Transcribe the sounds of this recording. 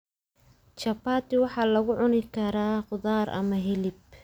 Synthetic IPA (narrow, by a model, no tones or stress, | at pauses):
t͡ʃɐbaːt̪ɪwɑħɑːlɐɣʊʕʊnɪkʰɐɾaːqʊðaːrʔɐ̰mɐɦɛlɪb̚